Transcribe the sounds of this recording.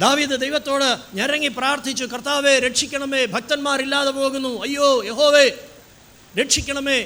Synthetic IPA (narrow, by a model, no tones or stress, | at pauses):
d̪aːʋiːd̪ɨd̪ɐjʋɐt̪ːo̞ːɽɨɲɐɾɐŋɡipɾaːɾt̪ʰit͡ɕːukɐɾt̪ʰaːʋeːɾeʈʂikʲːɐɳɐmeːbʱɐk̚t̪ɐnmaːɾilːaːðɐpoːɡunːuɐjːoːjeɦoːʋeː | ɾeʈʂikʲːɐɳɐmeː